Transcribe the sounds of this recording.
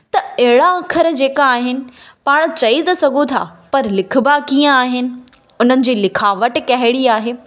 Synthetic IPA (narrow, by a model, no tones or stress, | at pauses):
t̪ɐɐɦɪɽaɐkʰəɾd͡ʑeːkaaːɦɪnɪ̆ | paːɽ̃t͡ɕɐit̪ɐsɐɡʱot̪ʰa̰ːpɐɾlɪkʰʊ̆bakiːə̃aːɦɪnɪ̆ | ʊn̤ənɪ̆d͡ʑiːlɪkʰaːʋəʈkɐɦɪɽiaːɦeː